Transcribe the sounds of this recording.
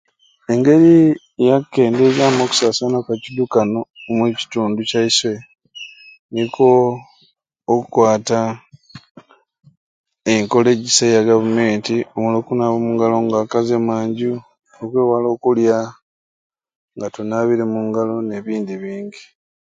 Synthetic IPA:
e̞ŋɡe̞ɾi | jakːe̞ːndezaːmoku̥saːsanakacidukanomweci̥tuːnducaiswe̞ | niko | kukwaːta | eŋko̞le̞ɟisejaɡavume̞ːntiomulo̞ːkunaβomuŋɡalo̞ŋɡaːkazemaːɲɟu | okweːwalo̞ːkulja | ŋɡatunaβiɾemuŋɡalo̞ne̞βiːndiβiːɲɟi

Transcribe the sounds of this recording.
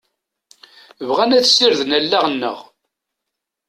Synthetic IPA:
əvʁænæθsːiɾðənælːæʁənːə̰ʁ

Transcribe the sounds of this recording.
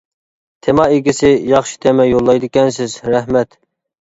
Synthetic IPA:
t̪ʰemɑeɡʲisɪjɑχʃi̥t̪ʰemɛjolˠːɑjd̪ɪkʲɛnsɪzɾɛhmɛt̪

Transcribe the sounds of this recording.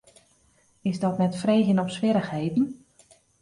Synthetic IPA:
ɪzdɔtnɛtfreːɣənɔpsʋɪɾəxhejdn̩

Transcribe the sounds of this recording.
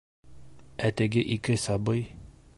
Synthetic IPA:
æt̪æɡɘʔikɘsɑbɤj

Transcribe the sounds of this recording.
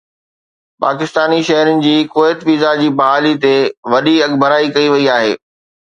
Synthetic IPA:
pa̰ːkɪst̪aːniʃɐɦɾʊnɪ̆d͡ʑiːkoːɪt̪ʋiːzad͡ʑiːbɐɦaːlit̪eʋɐɗiɐɠbʱəɾaːikɐiʋɐiaːɦḛː

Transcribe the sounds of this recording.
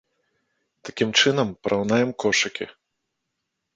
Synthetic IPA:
t̪akʲimt͡ʂɨnɐmpɐɾʔawnajɛmkɔʂɐkʲḭ

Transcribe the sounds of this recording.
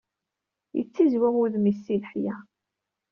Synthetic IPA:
jə̰t͡sːizwæʁuðmisːiləħjæ

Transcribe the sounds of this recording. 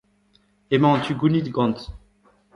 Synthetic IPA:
emɑ̃t̪yɡunid̪ɡɑ̃nt̪

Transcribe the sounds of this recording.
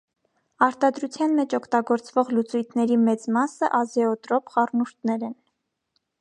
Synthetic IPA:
ɑɾt̪ɑd̪ɾut͡sʰjɑnmɛt͡ʃʰɔkʰt̪ɑɡɔɾt͡svɔʁlut͡sujt̪ʰnɛɾimɛt͡smɑsəʔɑzɛɔt̪ɾɔpχɑrnuɾt̪nɛɾɛn

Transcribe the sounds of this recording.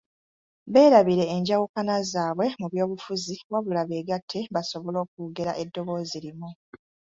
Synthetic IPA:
βe̞ːɾaβiɾe̞ːɲɟawukanazaːβwe̞muβjo̞ːβufuziβwaβulaβeːɡatʰːe̞βaso̞βo̞lo̞ːk̚uɡe̞ɾaʔe̞dːo̞βo̞ːzilimu

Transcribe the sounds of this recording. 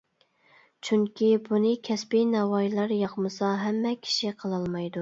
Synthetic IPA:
t͡ʃʰyŋkʲibunɨkʲʰɛspinɛwɑjlˠɑɾjɑqmɨsɑɦɛmːɛkʲʰi̥ʃiqʰəlˠɑlˠmɑjd̪u

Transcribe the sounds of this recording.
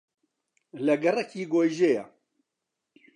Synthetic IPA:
lɐɡɐrɐkʰiːɡoːjʒeja

